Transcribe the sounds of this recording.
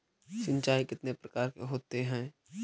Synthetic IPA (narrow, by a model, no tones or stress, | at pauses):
sɪ̃ɲt͡ʃaːikɪt̪nepɾɐkaːɾkeɦoːt̪eɦɛ̃ː